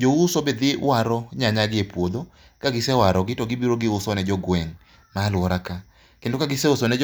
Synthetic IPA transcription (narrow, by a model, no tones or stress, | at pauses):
d͡ʒoʊsobed̪ɪwaɾɔɲaɲaɡɪepwod̪o | kaɡɪsɛwaɾɔɡɪtɔɡɪbiɾoɡɪʊsɔnɛd͡ʒɔɡwɛŋ | malwɔɾaka | kendokaɡɪsɛʊsɔnɛd͡ʒ